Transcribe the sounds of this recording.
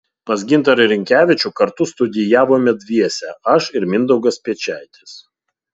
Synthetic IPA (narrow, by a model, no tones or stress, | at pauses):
pɐsɡʲɪnˑt̪ɐɾɾʲɪŋʲkʲæːʋʲɪt͡ʃʲʊˑkɐɾt̪ʊst̪ʊd̪ʲɪjæːʋoːmʲɛd̪ʲʋʲiɛsʲɛʔɐʃɪɾmʲɪnd̪ɒʊɡɐspʲiɛt͡ʃʲæˑɪt̪ʲɪs